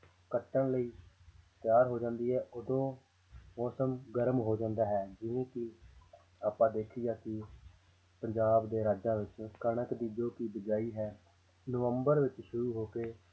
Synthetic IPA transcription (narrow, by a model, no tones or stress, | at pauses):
kəʈːəɳləiːt̪jaːɾɦoːd͡ʒãːnd̪iːɦɛːʔʊd̪õː | mɔːsəmɡəɾmɦoːd͡ʒãːnd̪aːɦɛːd͡ʒɪʋẽːkɪ | aːpãːd̪eːkʰijaːkɪ | pəɲd͡ʒaːbd̪eːɾaːd͡ʒãːʋɪt͡ʃkəɽəkd̪iːd͡ʒoːkiːbəd͡ʒaːiːɦɛː | noʋəmbəɾʋɪt͡ʃʃʊɾuːɦoːkeː